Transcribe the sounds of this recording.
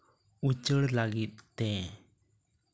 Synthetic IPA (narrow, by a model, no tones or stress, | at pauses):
ut͡ʃəɽlaɡit̪̚ːɛ